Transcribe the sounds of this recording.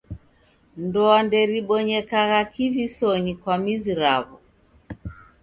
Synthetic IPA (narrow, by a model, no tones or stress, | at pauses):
ndɔandɛɾiɓɔɲɛkaɣakivisɔɲikwamiziɾaβɔ